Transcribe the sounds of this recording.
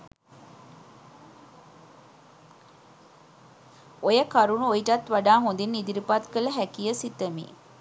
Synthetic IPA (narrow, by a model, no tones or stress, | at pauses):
ojəkaɾunuojiʈat̪ʋaɖaːɦond̪inːid̪iɾipat̪kələɦækijəsit̪əmḭ